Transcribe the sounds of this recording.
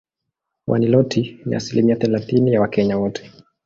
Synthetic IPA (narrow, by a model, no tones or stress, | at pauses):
wʔa̰nilɔtʰinḭʔa̰silimiaθɛlaθinijawakɛɲawɔtʰɛ̥